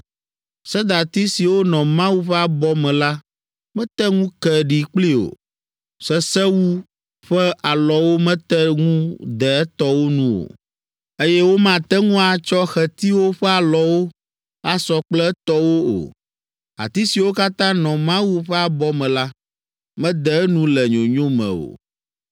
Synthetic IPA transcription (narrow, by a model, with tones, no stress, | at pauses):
sɛ˦d̪a˨t̪i˦si˨wo˦nɔ̃˨mã˦wu˦ɸɛ˦a˨bɔ˦mɛ̃˨la˦ | mɛ̃˦t̪ɛ˦ŋũ˦kɛ˨ɖi˨k͡pli˦o̰˨ | sɛ˦sɛ˦wu˦ | ɸɛ˦ʔa˨lɔ˨wo˦mɛ̃˦t̪ɛ˦ŋũ˦d̪ɛ˨ɛ˦t̪ɔ˦wo˦nũ˦o̰˨ | e˦jɛ˦wo˦mã˨t̪ɛ˦ŋũ˦a˨t͡ʃɔ˦xɛ˨t̪i˦wo˦ɸɛ˦a˨lɔ˨wo˦ | a˦sɔ˨k͡plɛ˦t̪ɔ˦wo˦o̰˨ | a̰˨t̪i˦si˨wo˦ka˦t̪ã˦nɔ̃˨mã˦wu˦ɸɛ˦a˨bɔ˦mɛ̃˨la˦ | mɛ̃˦d̪ɛ˨˦nũ˦lɛ˨ɲõ˨ɲõ˦mɛ̰̃˨o̰˨